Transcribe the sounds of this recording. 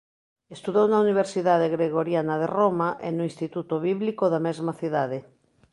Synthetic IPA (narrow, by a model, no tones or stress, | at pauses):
est̪uðownauniβ̞eɾsiðaðeɣɾeɣ̞oɾjanað̞eromaʔenuinst̪it̪ut̪oβiβlikoðamezmaθiðaðe